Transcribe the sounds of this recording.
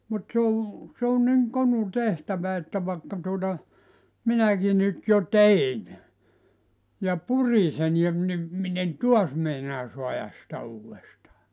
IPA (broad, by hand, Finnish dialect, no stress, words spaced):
mut se o se on niŋ konu tehtæʋæ etːæ ʋɑĕkːɑ tuotɑ minæki nyt jo tein jɑ puri sen jɑ ʋ ni min en tuɑs meinɑː suɑjɑs sĭtæ uːwestɑː